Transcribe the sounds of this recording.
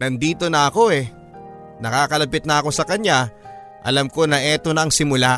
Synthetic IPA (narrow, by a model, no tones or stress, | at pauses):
nɐnd̪iːt̪o̞nɐɐko̞ʔɛ | nɐkaːkɐlɐpɪt̪̚nɐɐko̞sɐkɐɲa | ʔɐ̰lamko̞nɐʔɛːt̪o̞nɐːŋsɪmʊla